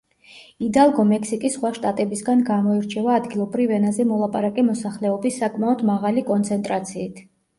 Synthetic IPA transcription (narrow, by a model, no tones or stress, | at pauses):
id̪alˠɡɔmɛksikʼisχwaʃt̪ʼat̪ʼɛbisɡanɡamɔiɾt͡ʃʰɛvaːd̪ɡilˠɔbɾivɛnazɛmɔlˠapʼaɾakʼɛmɔsaχlɛɔbisːakʼmaɔd̪maʁalikʼɔnt̪sʰɛnt̪ʼɾat̪sʰiːt̪ʰ